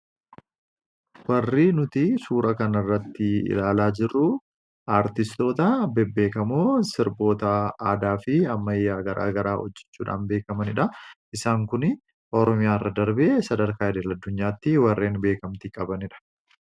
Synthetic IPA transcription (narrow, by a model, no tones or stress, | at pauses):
wɐrːiːnʊt̪ɪsuːɾɐkɐnɪrːɐt̪ːɪɪ̰laːlaːd͡ʒɪrːʊ | aːɾt̪ɪst̪o̞ːt̪ɐbɛbːe̞ːkɐmoːsɪɾbo̞ːt̪ɐaːd̪aːfɪɐmːɐjːaːɡɐɾʔa̰ːɡɐɾaːhɔ̰d͡ʒːɛ̥t͡ʃːuːᶑa̰ːnbe̞ːkɐmɐnɪᶑɐʔɪsaːŋkʊnɪ | ʔɔɾɔmɪjaːrːɐd̪ɐɾbesɐd̪ɐɾkaːɛd̪eːlɐd̪ːʊɲːaːt̪ːɪwɐrːeːnbe̞ːkɐmt̪ikʼɐbɐnɪᶑɐ̥